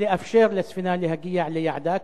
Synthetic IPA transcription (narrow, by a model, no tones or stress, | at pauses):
liʔafʃeːɾlɪsfɪnaːlɪhaɡɪjːaʕlɪjːaʕd̪aːk